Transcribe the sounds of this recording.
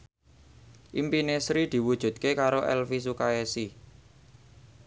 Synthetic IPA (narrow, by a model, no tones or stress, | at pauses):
ʔimpinesɾid̪̥i̤wud̥ʒ̥ṳd̪̥̚kekaɾoʔɛ̰lfis̬ukaesi